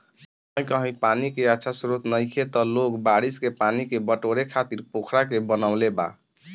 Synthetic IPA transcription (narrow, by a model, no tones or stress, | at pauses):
j̃kəɦĩpanikeətːʃʰasɾot̪nəjkʰet̪ɔlokbaɽiskepanikebəʈoɾekʰat̪iɾpokʰɾakebənaʊleba̰